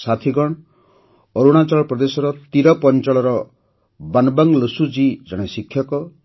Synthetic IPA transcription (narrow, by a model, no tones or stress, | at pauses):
sat̪ʰiɡɔɽ̃ | ɔɾuɽ̃at͡ʃaɭpɾɔd̪esɔɾɔt̪iɾɔpɔnt͡ʃɔɭɔɾɔ | banbaŋləsud͡ʒid͡ʒaɽ̃esikʰjɔkɔ